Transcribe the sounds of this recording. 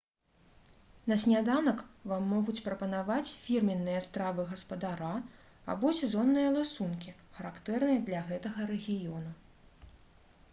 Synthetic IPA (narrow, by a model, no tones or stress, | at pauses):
nɐsʲnʲad̪anɐkvamːɔɣut͡sʲpɾɐpɐnavat͡sʲfʲirmʲinːɨjɐst̪ɾavɨɣɐspɐd̪aɾa | a̰bɔsʲɛzɔnːɨjɐlˠɨsunkʲixɐɾakt̪ɛrnɨjɐd̪lʲɐɣɛt̪ɐɣɐɾɛɣʲijɔnu